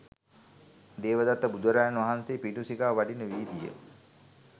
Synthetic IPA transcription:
d̪eːʋəd̪at̪ːəbud̪uʋəɾaːjanʋaɦanseːpiɖusiɡaːʋaɖinəʋiːd̪ijə̰

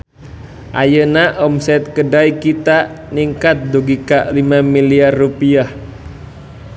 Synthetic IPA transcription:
ʔa̰jənaʔɔmsɛt̪̚kədaikit̪aniŋkat̪̚duɡikalimamiliarːupiah

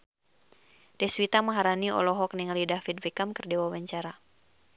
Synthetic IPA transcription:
dɛswit̪amaɦaɾaniɔ̰lɔɦɔk̚niŋalidafit̪̚vɛkamkɨrdɛwawaɲt͡ʃaɾa

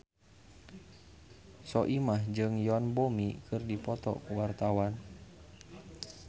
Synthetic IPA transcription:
sɔʔimahd͡ʒɨŋjɔnbomikɨrdipɔt̪ɔ̰kuwart̪awan

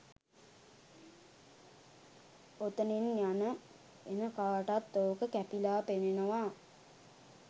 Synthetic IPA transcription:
ot̪əninjanə | enəkaːʈat̪ːoːkəkæpilaːpenenəʋa

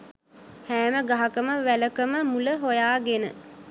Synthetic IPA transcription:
hæːməɡaɦakəməʋæləkəməmuləɦojaːɡenə̰

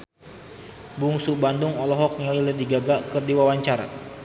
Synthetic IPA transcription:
buŋsubanduŋɔlɔɦɔk̚ŋililədiɡaɡakɨrdiwawaɲt͡ʃaɾa̰

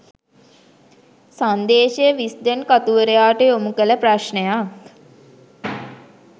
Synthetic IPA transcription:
sand̪eːʃəjəʋisd̪enkat̪uʋəɾəjaːʈəomukələpraʃɳəjak

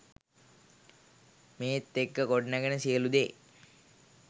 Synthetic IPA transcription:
meːt̪ːekːəkoɖnæɡənəsijəlud̪eː

